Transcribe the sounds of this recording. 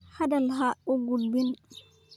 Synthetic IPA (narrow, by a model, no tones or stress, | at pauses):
hadalɦaɔɡulbin